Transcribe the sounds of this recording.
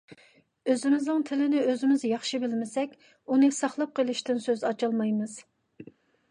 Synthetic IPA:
øzɪmɪznɨŋt̪ʰɪlɪnɪøzɪmɪzjɑχʃibɪlmɪsɛkʲ | unɨsɑχlˠɑp̚qʰəlˠɪʃt̪ɪnsøzɑt͡ʃɑlˠmɑjmɨz̥

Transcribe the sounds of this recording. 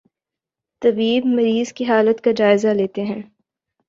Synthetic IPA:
t̪ɐbiːbmɐɾiːz̥kiɦaːlət̪kad͡ʒaːɪzaleːt̪eɦɛ̃ː

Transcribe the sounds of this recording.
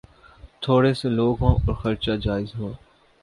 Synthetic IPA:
t̪ʰoːɽeseloːɡɦõːɔːɾxəɾt͡ʃaːd͡ʒaːɪzɦoː

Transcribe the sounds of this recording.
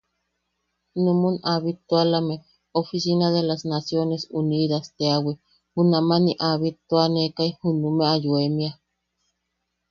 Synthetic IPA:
numunaβit̪walame | ofisinaðelasnasjonesuniðast̪eawi | hunamaniʔaβit̪uanekaihunumeajuemia

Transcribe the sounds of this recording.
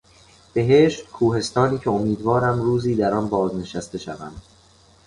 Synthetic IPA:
b̥e̞ɦe̞ːʃt̪kʰuːhe̞st̪ɒːniːcʰe̞omiːd̪vɒːɾæmruːziːd̪æɾɒnbɒːzne̞ʃæst̪e̞ʃævæ̰md̪̥

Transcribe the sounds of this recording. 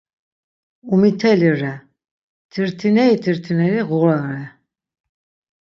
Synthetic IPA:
umit̪ʰɛliɾɛ | t̪ʰiɾt̪ʰinɛit̪ʰiɾt̪ʰinɛɾiʁuɣlanɾɛ

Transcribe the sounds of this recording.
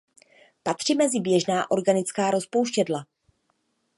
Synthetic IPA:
pat̪r̝̥imɛzɪbjɛʒnaːʔo̞ɾɡanɪt͡skaːɾo̞spo̞wʃcɛdla

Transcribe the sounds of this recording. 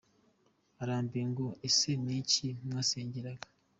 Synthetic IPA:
aɾaːmbiŋɡoeseniːciumŋaːseːɲɟeɾaɡa

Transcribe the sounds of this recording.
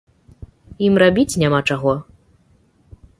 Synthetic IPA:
imrabʲit͡sʲnʲamat͡ʂaɣɔ

